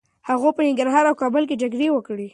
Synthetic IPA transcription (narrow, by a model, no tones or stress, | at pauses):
haɣopənɪŋɡaɾɦɑɾawkɑbʊlk̬ed͡ʒaɡɽewəkɽi